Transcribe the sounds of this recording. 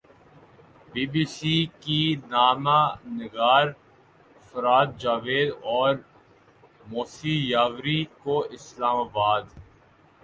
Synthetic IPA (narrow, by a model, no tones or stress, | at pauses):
biːbiːsiːkinaːmanɪɡaːɾ | fɾaːt̪̚d͡ʒaːʋeːd̪ɔːɾ | moːsijaːʋɾikoʔɪslaːmaːbaːd̪